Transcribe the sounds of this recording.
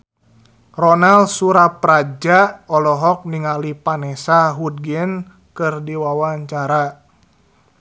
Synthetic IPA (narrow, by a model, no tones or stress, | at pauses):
rɔnalsuɾapɾad͡ʒaɔlɔɦɔk̚niŋalipanɛsaɦud̚ɡɛn | kɨrdiwawaɲt͡ʃaɾa